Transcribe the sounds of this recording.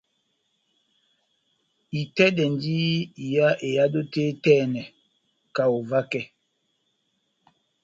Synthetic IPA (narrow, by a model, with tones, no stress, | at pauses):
i˨tɛ˦dɛ˨ndi˦i˨ja˦ʔe˨ja˦do˦te˦tɛ˦˨nɛ˨ | ka˨o˨va˦kɛ˦